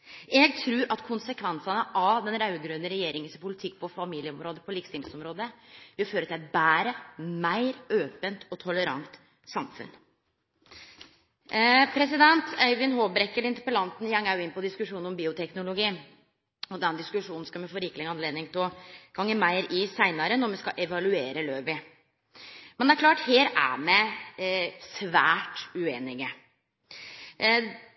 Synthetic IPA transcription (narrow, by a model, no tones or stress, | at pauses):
ɛɡt̪ʰɾʉːɾʔɑt̪kʰʊnsəkʰʋɛnsɑnəʔɑd̪ɛnɾɑʉɡɾʉnːəɾɛjeːɾɪŋənspʊlɪt̪ʰɪk̚ːpʰɔfɑmiːlɪəɔmɾoːd̪əpʰɔliːkst̪ɪːlsɔmɾoːd̪əjɪføːɾət̪ɪlɛt̪̚bæːɾəmæɪɾøːpənt̪ʰɔt̪ʰɔləɾɑ̰ŋt̪ | sɑmfʉ̰n | pʰɾɛs̬ɪd̪ɛnt̪ʰæɪʋɪnɦoːbɾɛkːəlɪnt̪əɾpəlɑnt̪n̩jɑŋæjʊɪnpɔd̪ɪskʉʂuːnɔmbiːʊt̪ʰɛknʊlʊɡiː | ɔd̪ɛnd̪ɪskʉʂuːnn̩skɑmɛfoːɾɪːkːlɪɡəɑnleːd̪nɪŋt̪ʰɪlɡ̥ɑŋːəmæɪɾɪsæɪnɑɾənɔɾmɛskɑʔɛʋɑlʉeːɾəløːʋɪ | mɛnd̪æɾkʰlɑːʈheːɾæ̰mɛ | sʋæːʈʉeːnɪɡə